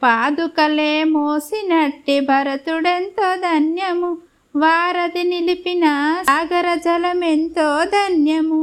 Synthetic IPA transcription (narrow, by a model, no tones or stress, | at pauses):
paːd̪ukɐleːmoːsinɐʈːibʱɐɾɐt̪uɽent̪oːd̪ʱɐnjɐmu | ʋaːɾɐd̪inilipinɐːɡɐɾɐd͡ʒɐlɐment̪oːd̪ʱɐnjɐmu